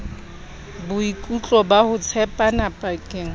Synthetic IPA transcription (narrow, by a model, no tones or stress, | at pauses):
bʊikʼut͡ɬʼɔbahʊt͡sʰɛpʼanapʼakʼɪːŋ̩